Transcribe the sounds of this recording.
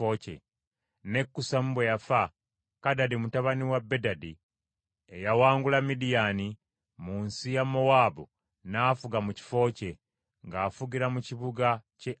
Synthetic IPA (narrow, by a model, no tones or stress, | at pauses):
ocḛ | ne̞kːusamubwejafa | kadadimutaβaniwabːe̞dadi | ejawaːŋɡulamidijani | munsijamo̞waːbu | naːfuɡamuci̥fo̞ːce̞ | ŋɡaːfuɡiɾamuciβuɡace